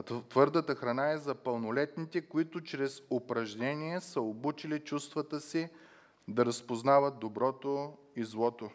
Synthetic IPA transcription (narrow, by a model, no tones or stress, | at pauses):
t̪vɤɾd̪ət̪əxɾɐnaɛzɐpəlˠnolɛt̪nit̪ɛkoit̪ʊt͡ʃɾɛzopɾɐʒnɛnʲiɛsəobut͡ʃilit͡ʃust̪vət̪əsi | d̪ɐɾɐspoznavət̪̚d̪obɾɔt̪o | izlˠɔt̪o